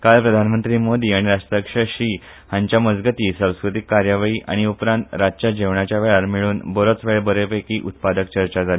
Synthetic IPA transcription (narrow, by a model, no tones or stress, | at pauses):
kalpɾəd̪ʱanmənt̪ɾiːmod̪iːaɽ̃iɾaʂʈ̪ɾəkʂəɕiː | hãɲt͡ɕjaməd͡zɡət̪iːsãw̃skɾut̪ikːaɾjaʋiːʔa̰ɽ̃iupɾãnt̪ɾad͡ʑt͡ɕad͡ʑeʋɳat͡ɕjaʋeɭaɾmiɭuːnbəɾot͡sʋeɭbəɾepekiːʔut̪̚pad̪əkt͡ɕəɾt͡ɕad͡zali